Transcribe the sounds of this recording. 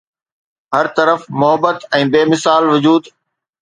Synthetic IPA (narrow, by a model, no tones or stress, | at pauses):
ɦɐɾt̪ɐɾəfmʊɦəbət̪ɛ̃ːbeːmɪsaːlʋʊd͡ʑuːd̪